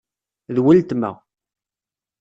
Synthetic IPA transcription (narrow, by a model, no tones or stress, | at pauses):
ðwəlt̪mæ̰